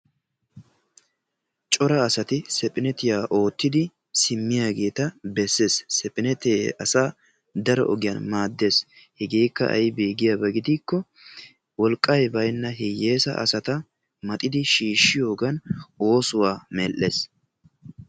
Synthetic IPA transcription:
t͡ʃʼɔɾɐːsɐt̪ɪsɛpʼɪnɛt̪ɪjaːʔo̞ːt̪ːɪd̪ɪ | sɪmːɪjaːɡe̞ːt̪ɐbɛsːeːsːɛpʼɪnɛt̪eɐsaː | d̪ɐɾɔ̰ʔɔɡɪjɐ̰nmaːd̪ːe̞s | hɛɡeːkːɐ̰ʔɐ̰jbiːɡɪjabɐɡɪd̪iːkːɔ | wɔlkʼːɐjbɐjnːɐɦɛjeːsɐ̰ʔɐ̰sɐt̪ɐ | mɐt̪ʼɪd̪ɪʃiːʃːɪjo̞ːɡɐno̞ːsʊwaːmɛlʔːḛːs

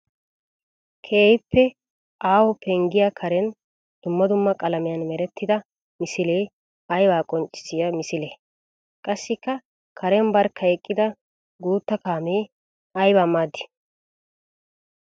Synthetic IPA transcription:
kʰeːjɪpːɛ | ʔaːwɔpʰɛŋɡɪjakʰɐɾɛn | d̪̥ʊmːɐd̪ʊmːɐkʼɐlɐmɪjɐnmɛɾɛt̪ʰːɪd̪ɐ | mɪsɪleː | ɐjbaːkʼɔnt͡ʃʼːɪ̥sɪjamɪsɪleː | kʼɐsːɪkːɐ | kʰɐɾɛnbɐɾkʰːɐɛkʼːɪd̪ɐ | ɡuːt̪ːɐkaːmeː | ɐjbaːmːaːd̪ːɪ̥

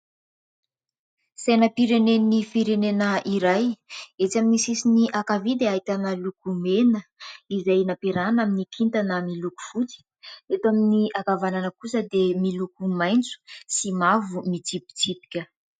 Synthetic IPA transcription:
senəpiɾenenifiɾenenəiɾajet͡saminisisiniʔakavid̪eajt̪anəlukumenəizajnapiɾanaminikʰint̪anəmiluku̥fut͡si̥ | et̪aminiakavananəkusəd̪emilukumajnt͡su̥simavumit͡sipi̥t͡sipi̥kʲə

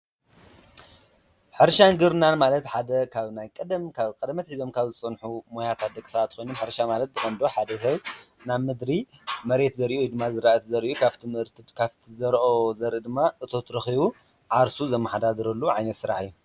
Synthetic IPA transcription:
ħɨɾʃaŋɡɨɾnanmalɐt̪ħad̪ɐkʰaβnajkʼɐd̪kʰaβkʼɐd̪mɐt̪ħizo̞mkʰaβzɨt͡sʼɐnħumojat̪ʰat̪̚d̪ɐkʼːɨsɐat̪ːxʰʷo̞jnumħɨɾʃamalɐt̪̚zɨχʼɐnd̪o̞ħad̪ɐs̬ɐβnaβmɨd̪ɾimɐɾe̞t̪zɐɾʔujd̪ɨmːazɨɾaʔt̪zɐɾʔukʰaβt̪ʰɨmhɨɾt̪ʰɨkʰaβt̪ʰizɐɾʔo̞zɐɾʔɨd̪ɨmːaʔɨt̪ʰo̞t̪ʰɾɐxiβu | ʕaɾsuzɐmːɐħad̪ad̪ɾɐlːuʕajnɐt̪sɨɾa̰ħɨjːu

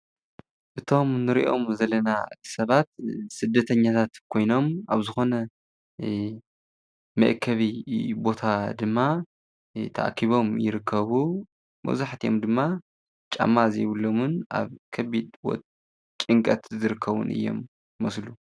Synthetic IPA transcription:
ʔɨt̪ʰo̞mnɨɾḭʔo̞̰mzɐlɐna̰sɐβat̪sɨd̪ːɐt̪ʰɐɲːat̪ʰat̪kʰo̞jno̞maβzɨxo̞nɐ | mɐʔkʰɐβibo̞t̪ʰad̪ɨmːa | t̪ʰɐʔa̰kʰːiβo̞mjɪɾɨkʰːɐβu | mɐ̰wzaħt̪ʰijo̞̰md̪ɨmːa | t͡ʃʼa̰mːazejβulːomɨnʔa̰βkʰɐbid̪wɔ̰ | t͡ʃʼɨŋkʼɐt̪zɨɾɨkʰːɐβṵnɨ̰jːo̞̰mː | ɐslu

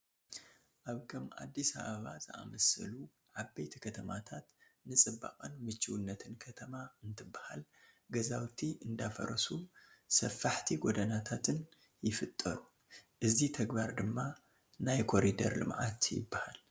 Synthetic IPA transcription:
ʔaβkʰɐmʔa̰d̪ːisa̰βɐβazɨʔa̰mɐsɨlu | ʕabːejt̪ʰikʰɐt̪ʰɐmat̪ʰat̪nɨt͡sʼɨbːa̰qʼɐnmɨt͡ʃːɨwnːɐt̪ʰɨnkʰɐt̪ʰɐmaɨnt̪ʰɨbːahal | ɡɐzawt̪ʰiʔɨnd̪afɐ̰ɾɐsusɐfːaħt̪ʰiɡod̪ɐnat̪ʰat̪ʰɨn | jɪfɨt̪ʼːɐɾu | ʔɨzit̪ʰɐɡbaɾd̪ɨmːa | najkʰo̞ɾid̪ɐ̰ɾlɨ̰mʕa̰t̪jɪ̰bːahal

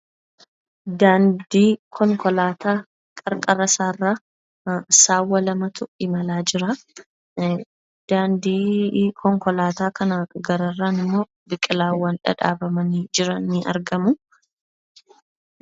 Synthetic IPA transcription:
d̪aːnd̪iːkʰɔŋkɔlaːt̪ʰaː | kʼɐɾkʼɐɾɐsaːrːaː | saːwːɐlɐmɐt̪ʊɪmɐlaːd͡ʒɪɾɐ | d̪̥aːnd̪iːkʰɔŋkɔlaːt̪aːkɐnaɡɐɾɐraːnɪmːo̞ː | bɪkʼːɪlaːwːɐnᶑɐ̰ᶑa̰ːbɐmɐniːd͡ʒɪɾɐnːɪʔɐ̰ɾɡɐmʊ

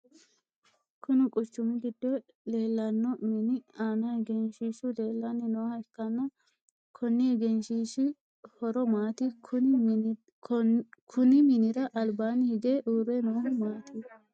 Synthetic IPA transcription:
kʰʊnɪkʼʊt͡ʃːʊmɪɡɪd̪̥ːɛ | le̞ːlːɐnːɔmɪnɪaːnɐhɛɡɛnʃiːʃʊle̞ːlːanːɪnoːhɐɪkːɐnːɐ | kʰɔnːɪhɛɡɛnʃiʃɪ | hɔɾɔmaːt̪ɪʊ | kʰʊnɪmɪnɪɾɐʔɐlbaːnɪhɪɡeːʔuːɾːɛnoːhɐmaːt̪i

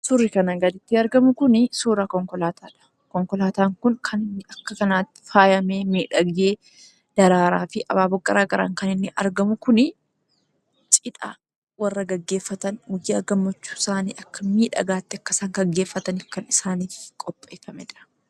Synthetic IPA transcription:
sʊrːɪkɐnɐɡɐd̪ɪt̪ːɪɐɾɡɐmʊkʊnɪsuːɾaːkɔŋkɔlaːt̪ʰaːᶑɐ̥ | kɔŋkɔlaːt̪aːŋkʊŋkʰɐnɪnːɪʔɐkːɐkɐnaːt̪ːɪ̥faːjɐmeːmiːᶑɐɡjeː | d̪̥ɐɾaːɾaːfɪʔɐ̰baːbɔkʼːɐɾaːɡɐɾa̰ːŋkɐnɪnːɪʔɐɾɡɐmʊkʊnɪ | t͡ʃʼɪᶑa̰ | wɐrːɐɡɐɡːe̞ːfːɐt̪ɐnwʊd͡ʒjaːɡɐmːɐt͡ʃːu̥ːɪsaːnḭːʔɐkːɐmiːᶑɐ̰ɡaːt̪ːɪɐkːɐsɐŋɡɐɡːe̞ːfːɐt̪ɐnɪfkɐnɪsaːniːkʼɔpʼːeːfɐmɛ̰ᶑɐ̥

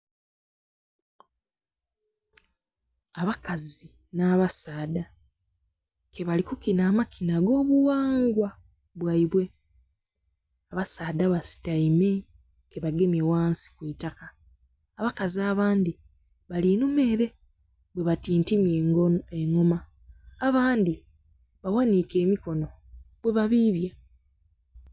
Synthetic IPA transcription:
aβakazi | naːβasaːda | ke̞βalikukinaːmakʰinaɡo̞ːβuwaːŋɡwa | βwaiβwe̞ | aβasaːdaβasi̥taime̞ | ke̞βaɡe̞mje̞waːnsi̥kwiːtakḁː | βakaziaːβaːndi | βalinume̞ɾe̞ | bwe̞βatiːntimeŋo̞maː | βaːndi | βawanike̞ːmiko̞no̞ | βwe̞βaβiːβja

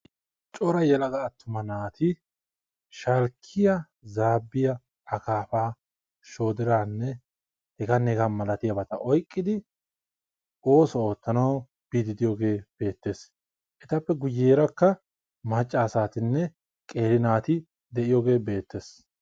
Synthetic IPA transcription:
t͡ʃʼɔɾɐjɛlɐɡɐːt̪ːʊmɐnaːt̪ʰɪ | ʃɐlkʰːɪjɐ | zaːbːɪjɐ | ɐkaːfaː | ʃo̞ːd̪ɪɾaːnːɛ | hɛɡɐnɛɡɐmɐlɐt̪ɪjɐbɐt̪ɐʔɔjkʼːɪd̪ɪ | o̞ːsɔo̞ːt̪ːɐnɐw | b̥iːd̪ɪd̪ɪjɔɡe̞ːb̥e̞ːt̪ːe̞ːs | ʔɛt̪ɐpːɛɡʊjːeːɾɐkːɐ | mɐt͡ʃʼːaːsaːt̪ɪnːɛ | kʼe̞ːɾɪnaːt̪ɪ | d̪ɛʔɪjɔɡe̞ːbe̞ːt̪ːe̞ːs

